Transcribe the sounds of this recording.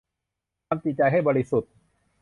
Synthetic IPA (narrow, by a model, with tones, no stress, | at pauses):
a˧mt̪i˨˩t̪̚t͡ɕa˧jɦa˥˩jbɔː˧ɾi˦˥su˨˩t̪̚